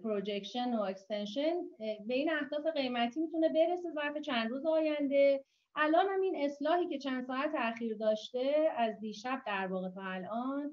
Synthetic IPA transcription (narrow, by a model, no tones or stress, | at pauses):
pʰɾod͡ʒecʃenoecst̪enʃenbe̞iːnæhd̪ɒːfe̞ɣe̞jmæt̪ʰiːmit̪ʰune̞be̞ɾe̞se̞zæɾfe̞t͡ʃʰænd̪ɾuːzeɒːjænd̪e̞ | ʔælʔɒːnhæmine̞slɒːhiːce̞t͡ʃʰænd̪sɒːæt̪ʰeæxiːɾd̪ɒːʃt̪e̞æzd̪iːʃæb̚d̪æɾvɒːɣet̪ʰɒːælʔɒːn